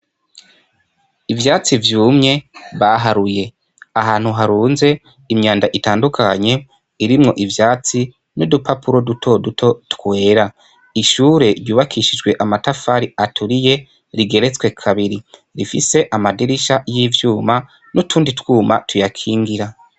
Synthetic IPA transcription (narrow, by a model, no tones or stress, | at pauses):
ivjaːt͡sivjuːmɲe̞βaɦaɾuje̞ | aɦaːn̥huɦaɾuːnze̞ | imɲaːndaʔitaːndukʰaɲe̞ | iɾimŋo̞ʔivjaːt͡si | nudupʰapuɾo̞dutʰo̞dutʰo̞tkwe̞ːɾa | iʃuːɾe̞ɾjuːβakʰiʃid͡ʒɡwe̞ʔamatafaɾiatʰuɾije̞ | ɾiɡe̞ɾet͡swe̞kʰaβiɾiɾifise̞ʔamadiɾiʃajivjuːma | nutʰuːnditwuːma̰tʰujakʰiːŋɡiɾa